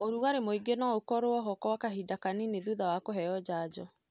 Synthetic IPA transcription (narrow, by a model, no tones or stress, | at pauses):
oɾuɣaɾemoiɡenaokɔɾoɔɦɔkɔwakaɦidakanineðuðawakoɦɛjɔd͡ʑad͡ʑɔ